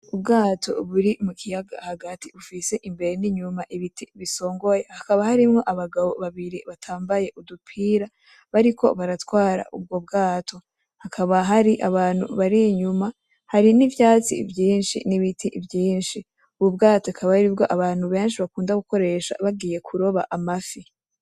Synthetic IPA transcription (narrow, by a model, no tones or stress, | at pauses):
ubɡaːtʰo̞̰βuɾimukʰijaɡa̰haɡatʰiβufise̞ʔimbe̞ɾe̞niɲumaʔiβitʰiβiso̞ːŋɡo̞je̞hakaβahaɾimŋo̞ʔaβaɡaβo̞βaβiɾiβatʰaːmbaje̞ʔudupʰiːɾa | βaɾiko̞̰βaɾatwaːɾa̰ʔub̚ɡo̞b̚ɡaːtʰo̞ | hakʰaβaɦaɾiʔaβaːn̥hṵβaɾiɲuma | haɾinivjaːt͡sḭvjiːnʃḭniβitʰivjiːnʃi | uβubɡaːtokʰaβaaɾibɡo̞ʔaβaːn̥huβe̞ːnʃiβakuːndaɡuko̞ɾe̞ʃa̰βaɡiːje̞kʰuɾo̞βa̰ʔamafi